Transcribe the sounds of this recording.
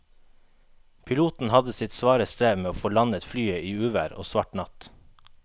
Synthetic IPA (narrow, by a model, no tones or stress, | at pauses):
pʰɪluːt̪n̩hɑd̪əsɪt̪sʋɑːɾəst̪ɾeːʋmeːoːfoːlɑnət̪flyːəiːʉːʋæɾo̰ːsʋɑʈnɑt̪